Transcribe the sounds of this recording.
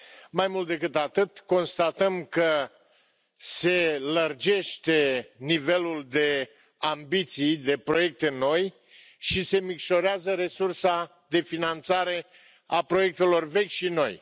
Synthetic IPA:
majmult̪̚d̪e̞kɨt̪at̪ɨt̪ko̞nst̪at̪əmkə | se̞lərd͡ʒe̞ʃt̪e̞nive̞luld̪e̞ | ambit̪sijd̪e̞pɾo̞je̞k̚t̪eno̞j | ʃise̞mikʃo̞ɾeazəɾe̞sursa | d̪e̞finant̪saɾe̞ | apɾo̞je̞k̚t̪e̞lo̞rve̞kʲʃino̞̰j

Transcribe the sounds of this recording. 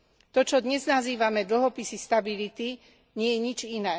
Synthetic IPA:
t̪ɔt͡ʃɔd̪ɲɛznaziːʋamɛd̪l̩ɦɔpisist̪abilit̪i | ɲɪɛjɛɲid͡ʒinɛː

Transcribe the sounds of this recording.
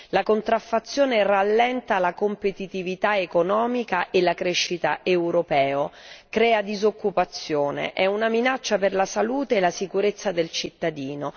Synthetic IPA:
lakont̪ɾafːat̪sːjoːneralːɛnt̪alakompet̪it̪ivit̪aekonɔːmikaʔelakɾeʃːit̪aʔewɾopɛːokɾɛːad̪izokːupat̪sːjoːnḛʔɛunaminat͡ʃːaperlasaluːt̪eːlːasikuɾet̪sːad̪elt͡ʃit̪ːad̪iːno

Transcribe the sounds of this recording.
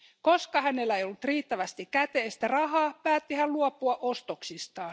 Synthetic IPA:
koskɑhæne̞lːæejolːut̪riːt̪ːæʋæst̪ikkæt̪eːst̪ærɑɦɑːpæːt̪ːihælluopːˑuɑʔost̪oksist̪ɑː

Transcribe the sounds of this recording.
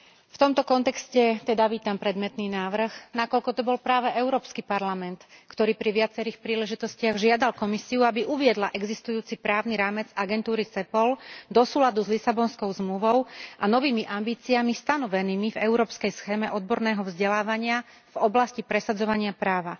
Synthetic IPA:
ft̪ɔmt̪ɔkɔnt̪ɛkscɛt̪ɛd̪aʋiːt̪ampɾɛd̪mɛt̪niːnaːʋr̩xnakɔʎkɔt̪ɔbɔlpɾaːʋɛʔɛʊɾɔːpskipaɾlamɛnt̪kt̪ɔɾiːpɾiʋɪat͡sɛɾiːxpɾiːlɛʒit̪ɔscɪaɣʒɪad̪alkɔmisiuabiʔuʋɪɛd̪laʔɛɡzist̪ujuːt͡sipɾaːʊniɾaːmɛd͡zaɡɛnt̪uːɾit͡sɛpɔld̪ɔsuːlad̪uzlisabɔnskɔʊzmluʋɔʊʔanɔʋiːmiʔambiːt͡siamist̪anɔʋɛniːmivɛʊɾɔːpskɛjsxɛːmɛʔɔd̪̚bɔɾnɛːɦɔvzɟɛlaːʋaɲɪa | vɔblascipɾɛsad͡zɔʋaɲɪapɾaːʋa

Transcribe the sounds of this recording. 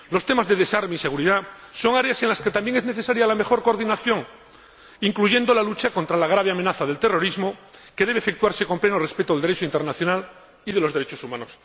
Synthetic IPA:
lo̞st̪e̞mazðe̞ðe̞saɾmeise̞ɣuɾiðaso̞ŋaɾeasenlasket̪ambje̞ŋe̞zneθe̞saɾjalame̞xo̞ɾkoɾðinaθjo̞ŋ | iŋkluʝe̞nd̪o̞lalut͡ʃako̞nt̪ɾalaɣ̞ɾaβ̞eamenaθaðe̞lt̪e̞ro̞ɾizmokeðeβeːfe̞k̚t̪uaɾse̞ko̞mplenore̞spet̪oðld̪eɾet͡ʃoint̪e̞ɾnaθjo̞nal | iðelo̞zðeɾet͡ʃosumãnos

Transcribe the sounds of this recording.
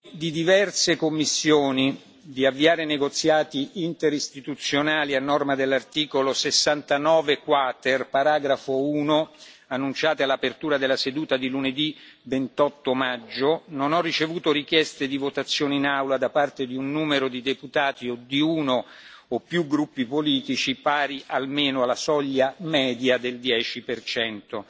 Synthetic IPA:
d̪id̪ivɛrsekomːisːjoːni | d̪iavːiaːɾeneɡot̪sːjaːt̪iint̪eɾist̪it̪ut̪sːjonaːlianːɔrmad̪elːart̪iːkolosesːant̪anɔːvekwaːt̪erpaɾaːɡɾafouːnoanːunt͡ʃaːt̪ealːapert̪uːɾad̪elːased̪uːt̪ad̪iluned̪ivent̪ɔt̪ːomad͡ʒːononɔrːit͡ʃevuːt̪orikjɛst̪ed̪ivot̪at̪sːjoːneinawlad̪apart̪ed̪iunːuːmeɾod̪id̪eput̪aːt̪iod̪iuːno | opːjuɡɾupːipoliːt̪it͡ʃipaːɾiʔalmeːnoalːasɔʎːamɛːd̪jad̪eld̪jɛːt͡ʃipert͡ʃɛnt̪o

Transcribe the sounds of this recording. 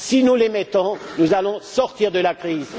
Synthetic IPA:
sinulemɛt̪ɔ̃nuzalɔ̃sɔʁt̪iʁd̪əlakχiz

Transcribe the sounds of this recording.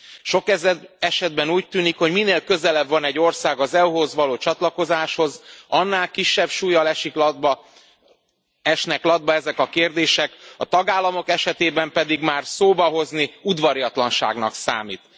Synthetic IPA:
ʃo̞kɛzɛɛʃɛd̪bɛnuːc̚t̪ːyːnikho̞ɟmineːlkø̞zɛlɛbvɒnɛɟːo̞rsaːɡɒzɛuɦo̞zʋɒloːt͡ʃɒt̪lɒko̞zaːʃho̞zɒnːaːlkiʃːɛbʃuːjɒlɛʃiklb | ɛʃnɛklɒd̪̚bɒɛzɛkɒkeːrd̪eːʃɛkɒt̪ɒɡaːlːɒmo̞kɛʃɛt̪eːbɛmpɛd̪iɡmaːrsoːbɒɦo̞zniud̪vɒɾijɒt̪lɒnʃa̰ːɡnɒ̰ksa̰ːmḭːt̪

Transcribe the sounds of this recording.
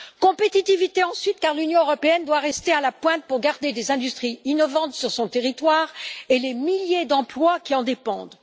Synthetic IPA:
kɔ̃pet̪it̪ivit̪eɑ̃sɥit̪kaʁlynjɔ̃øʁɔpeɛnd̪waʁɛst̪ealapwɛ̃t̪̚puʁɡaʁd̪ed̪ezɛ̃d̪yst̪χiinɔvɑ̃t̪syʁsɔ̃t̪eʁit̪waʁelemiljed̪ɑ̃plwakʲiɑ̃d̪epɑ̰̃d̪

